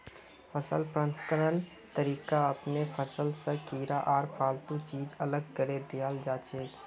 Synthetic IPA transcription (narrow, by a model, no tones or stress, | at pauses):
fʰəsəlpɾə̃nskəɾən | t̪əɾiːkaɐpnefʰəsəlsəkiːɾaʔaːɾpʰaːlt̪ũt͡ʃiːd͡ʒɐləɡ̚kəɾed̪ɪjaːld͡ʒaːt͡ʃeː